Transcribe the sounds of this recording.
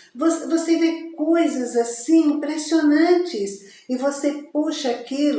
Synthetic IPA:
vosvosevekojzɐzasĩĩpɾesionɐ̃t͡ʃɪs | ɪvosepuʃɐakilʊ

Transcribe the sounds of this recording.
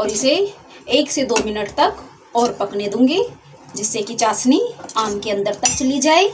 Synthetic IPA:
ɔːɾɪse | eːksed̪oːmɪnəʈt̪ɐk | ɔːɾpɐkned̪ũːŋɡeː | d͡ʒɪsːekit͡ʃaːsniaːmkeɐ̃nd̪əɾt̪ɐk̚t͡ʃɐlid͡ʒaːeː

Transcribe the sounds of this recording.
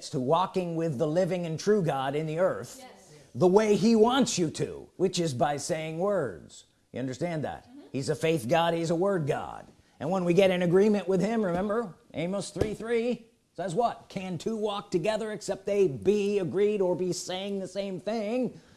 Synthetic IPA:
tstʰəwɔkɪ̃ŋwɪðəlɪvɪ̃ŋɨ̃ntʰɹ̥ʉɡɑɾɨ̃nðiɜ˞θðəweɪiwɑ̃ntsjɨɾʰʉ̰wɨt͡ʃɨzbaɪseɪɪ̃ŋwɜ˞dz̥ | jɨ̰ʌ̃ndə˞stæ̃nðə̰t̚hizɨfeɪθɡ̥ɑɾ̚hizəwɜ˞d̚ɡɑ̰d | ʔɨ̰̃nwə̃nwiɡɛɾɨ̃nɨɡɹĩmɨ̃nʔwɪð̥ɪ̃mɹɨmɛ̃mbə˞ʔḛ̃ɪ̃mosθɹiθɹi | sɛzwʌt̚kʰɨ̃ntʰuwɔk̚tʰɨɡɛðə˞ɨksɛp̚t̪̚ðeɪbiɨɡɹiɾə˞biseɪɪ̃ŋðɨsẽɪ̃mθɪ̃ŋ

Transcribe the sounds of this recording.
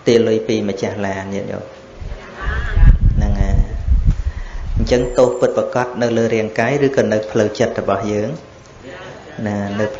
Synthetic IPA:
t̪iəlɨjpiːmə̆t͡ɕahlaːniət̪̚jo̰ː | nɨŋaː | ɲt͡ɕəŋt̪oːhpɨt̪̚pakɑt̪̚nɨwləːɾiəŋkaːjrɨːkɑːnɨwpʰləwt͡ɕət̪̚rɔɓɑhjəːŋ | naːnɨwpʰ

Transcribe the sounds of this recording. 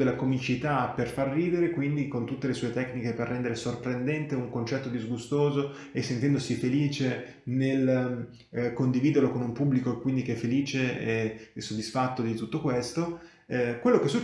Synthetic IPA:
d̪elːakomit͡ʃit̪aperfarːiːd̪eɾekwind̪ikont̪ut̪ːelesuːet̪ɛknikeperːɛnd̪eɾesorpɾend̪ɛnt̪euŋkont͡ʃɛt̪ːod̪izɡust̪oːzo | esːent̪ɛnd̪osifeliːt͡ʃe | nel | kond̪iviːd̪erlokonumpubːlikoekwind̪ik̟eɛfːeliːt͡ʃeɛsːod̪ːisfat̪ːod̪it̪ut̪ːokwest̪o | kwelːokesːu

